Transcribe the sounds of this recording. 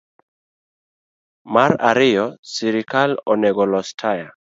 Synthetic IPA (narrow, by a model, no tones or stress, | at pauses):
maɾaɾɪjɔsiɾɪkalɔnɛɡɔlɔstʰaja